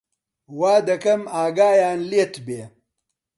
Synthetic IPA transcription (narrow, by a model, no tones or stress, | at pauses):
waːd̪ɐkɐmaːɡaːjaːnlet̪beː